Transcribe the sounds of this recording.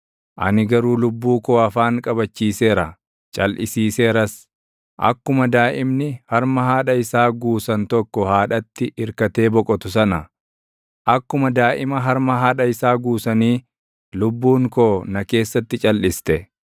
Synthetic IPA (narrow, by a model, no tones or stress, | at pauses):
ʔɐ̰nɪɡɐɾuːlʊbːuːkoːɐfaːŋkʼɐbɐt͡ʃːiːse̞ːɾɐ | t͡ʃʼɐlʔɪsiːseːɾɐs | ʔɐ̰kːʊmɐd̪aːʔɪmnɪhɐɾmɐɦaːᶑɐɪsaːɡuːsɐnt̪ɔkːɔhaːᶑɐt̪ːɪʔɪɾkɐt̪e̞ːbɔkʼɔt̪ʊsɐnɐ | ʔɐkːʊmɐd̪aːʔɪmɐɦɐɾmɐɦaːᶑɐɪsaːɡuːsɐniː | lʊbːuːŋkoːnɐke̞ːsːɐt̪ːɪt͡ʃʼɐlːɪst̪ɛ